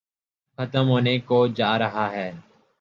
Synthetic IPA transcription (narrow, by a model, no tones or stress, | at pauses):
xət̪əmɦoːneːkoːd͡ʒaːɾəɦaːɦɛː